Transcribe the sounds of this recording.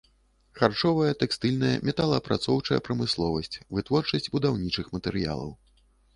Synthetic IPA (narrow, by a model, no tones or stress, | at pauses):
xart͡ʂɔvɐjɐt̪ɛkst̪ɨlʲnɐjɐ̰mʲɛt̪alˠɐpɾat̪sɔwt͡ʂɐjɐ̰pɾɐmɨslˠɔvɐsʲt͡sʲvɨt̪vɔrt͡ʂɐsʲd͡zʲbud̪awnʲit͡ʂɨxmɐt̪ɛɾɨja̰lˠɐ̰w